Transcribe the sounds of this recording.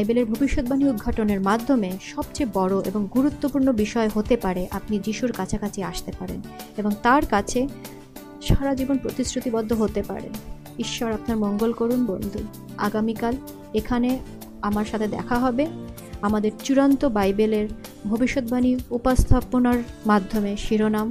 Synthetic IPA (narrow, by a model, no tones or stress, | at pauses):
bajbeleɾbʱobiʃːot̪̚bʱaniud̪̚ɡʱaʈoneɾmad̪ʱːomeʃɔbt͡ɕebɔɽoʔḛboŋɡuɾut̪ːopuɾnobiʃɔeɦot̪epaɾeʔapnid͡ʑiʃuɾkat͡ɕʰakat͡ɕʰeaʃt̪epaɾḛneboŋt̪aɾkat͡ɕʰe | ʃaɾad͡ʑibonpɾot̪isɾut̪ibɔd̪ʱːoɦot̪epa̰ɾḛn | iʃːɔɾapnaɾmɔŋɡolkoɾunbo̰nd̪ʱu | a̰ɡamikal | ekʰane | amaɾʃat̪ʰed̪ɛ̰kʰaɦɔbe | amad̪eɾt͡ɕuɾant̪obajbeleɾ | bʱobiʃːot̪̚bʱaniupost̪ʰaponaɾmad̪ʱːomeʃiɾonam